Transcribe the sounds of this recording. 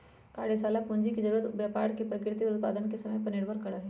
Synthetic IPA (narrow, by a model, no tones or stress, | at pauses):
ka̰ːɽesaːlapʊɲd͡ʒiked͡ʒəɾuːɾət̪bjaːpaːɽkepɾəkɪɾt̪iɾʊt̪̚paːd̪ənkesɐməjpənɪɾbʱəɾkɐɽaɦɛː